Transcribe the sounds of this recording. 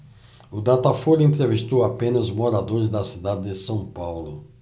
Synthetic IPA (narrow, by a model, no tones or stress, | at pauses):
ʊd̪at̪afoɾẽnt̪ɾevist̪owapẽnɐzmoɾad̪oɾɪzd̪ɐsid̪ad̪ɪd̪ɪsɐ̃w̃pawlʊ